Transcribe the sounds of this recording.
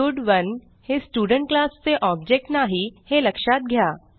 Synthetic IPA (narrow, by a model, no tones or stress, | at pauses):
ʊɖʋɐn | hesʈuːɖə̃ɳʈ̚klaːsseʔɔːbd͡ʒek̚ʈnaɦihelɐkʃaːt̪̚ɡʱjaː